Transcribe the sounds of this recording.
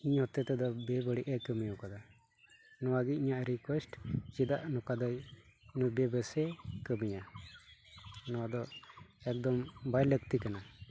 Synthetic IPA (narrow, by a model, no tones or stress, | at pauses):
iɲhɔt̪ɛt̪ɛd̪ɔbɛbəɽiʔɛkəmijɔkad̪a | nɔwaɡiiɲaʔɾikwɛsʈt͡ʃid̪aʔnɔkad̪ajnɔbɛbəsɛkəmiɲa | nɔwad̪ɔɛk̚d̪ɔmbajləkt̪ikana